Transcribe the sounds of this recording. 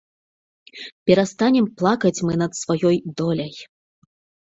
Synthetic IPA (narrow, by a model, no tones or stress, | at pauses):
pʲɛɾast̪anʲɛmplˠakɐt͡sʲmɨnɐt̪svajɔjd̪ɔlʲɐj